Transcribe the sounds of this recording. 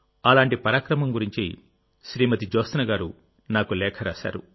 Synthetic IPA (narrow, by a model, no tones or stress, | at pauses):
ɐlaːɳʈipɐɾaːkɾɐmɐmɡuɾiɲt͡ʃḭ | ʃɾiːmɐt̪id͡ʒoːst̪nɐɡaːɾu | naːkulɛːkʰɐɾaːsa̰ːɾṵ